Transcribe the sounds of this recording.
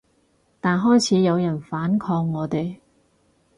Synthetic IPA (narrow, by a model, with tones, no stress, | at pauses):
t̪aː˨˩nɦɔː˥jt͡sʰiː˨˥jɐ˨˧wjɐ˨˩nfaː˨˥nkʰɔː˧ŋːɔː˨˧t̪e˨j